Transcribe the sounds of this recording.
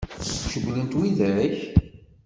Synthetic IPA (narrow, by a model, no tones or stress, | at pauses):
ʃəɡlənt̪wiðæɾæç